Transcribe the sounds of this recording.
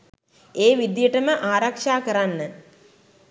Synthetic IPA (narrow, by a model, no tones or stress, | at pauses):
eːʋid̪jəʈəməʔaːɾakʂaːkəɾanːə